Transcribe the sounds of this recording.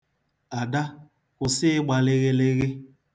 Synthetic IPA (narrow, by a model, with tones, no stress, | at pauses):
a˨da˦ | kʊ˨sɪ˦ɪ˦ɡ͡ba˨lɪ˦ɣe˦le˦ɣɪ˦